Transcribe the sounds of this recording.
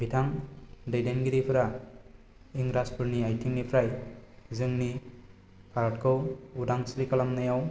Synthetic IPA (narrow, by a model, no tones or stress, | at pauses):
bitʰaŋdejdenɡiɾipʰɯɾa | iŋɾaspʰɯɾniajtʰiŋnipʰɾajzɯŋni | pʰaɾʈkʰɯwudaŋsɾikalamnajaw